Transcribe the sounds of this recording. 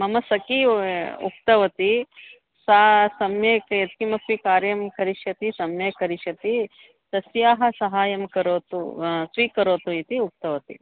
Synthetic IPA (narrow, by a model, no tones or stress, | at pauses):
mɐmɐsɐkiṵk̚t̪ɐʋɐt̪i | sasɐmjeːkjɐt̪̚kimɐkikaːɾjɐmkɐɾiʃjɐt̪isɐmjekɐɾiʃɐt̪i | t̪ɐsjaːɦɐ̆sɐɦaːjɐmkɐɾoːt̪ṵsʋiːkːɐɾoːt̪uit̪iuk̚t̪ɐʋɐt̪ḭ